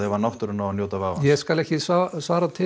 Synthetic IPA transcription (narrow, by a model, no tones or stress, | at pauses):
ɛvaɾnawht̪ʏɾʏnanjoːt̪avaːvajɛskalɛhcɪsvasvaːɾat̪ʰɪ